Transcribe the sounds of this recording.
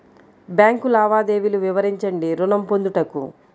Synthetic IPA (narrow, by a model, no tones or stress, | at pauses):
bjaːŋkulaːʋaːd̪e̞ːʋiluʋiʋɐɾiɲt͡ʃɐɳɖiɾunɐmpond̪uʈɐkṵ